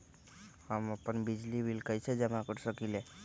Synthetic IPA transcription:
həməpənbid͡ʒlibʱilkəjt͡ʃʰɛd͡ʒɛmãkəɾsəkile

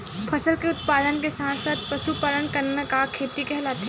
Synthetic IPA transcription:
pʰɐsəlkeʊt̪̚paːd̪ənkesãːnsaːt̪̚pɐsupəɾənkɐɾnakakʰːeːt̪ikɛɦlat̪ʰe

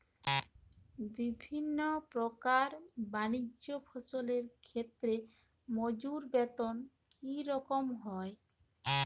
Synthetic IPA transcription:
bibʱinːopɾokaɾbaniopʰɔsoleɾkʰet̪ːɾe | mod͡ʑuɾbɛt̪on | kiɾɔkomɦɔe

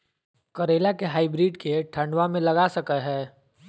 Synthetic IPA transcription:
kɐɾeːlakeɦaːɪbɾiːɖkeʈʰə̃ɳɖʋamẽlɐɡasɐkəɦɛː

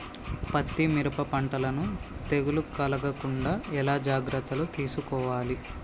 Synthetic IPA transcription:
pɐt̪ːimiɾɐpɐpɐɳʈɐlɐnut̪eɡulukɐlɐɡɐkuɳɖaːɛlaːd͡ʒaːɡɾɐt̪ːɐlut̪iːsukɔːʋaːli

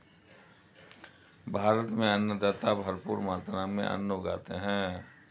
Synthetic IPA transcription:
bʱaːɾət̪mẽɐnːəd̪aːt̪abʱəɾpṵːɾmaːt̪naːmḛ̃ʔɐ̰nːoɡa̰ːt̪eɦɛ̃ː

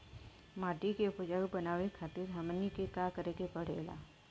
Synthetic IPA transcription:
maʈikepud͡ʒabənaʋekʰat̪iːɾɦamənːikekakəɾekepəɽ̤ḛla̰

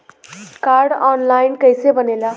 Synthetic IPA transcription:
kaɾɖɔnlajnkəjsebənela

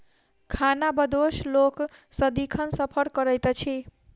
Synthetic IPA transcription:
kʰanabəd̪osloksəd̪ikʰənsəpʰəɾkəɾəjt̪t͡ʃʰi

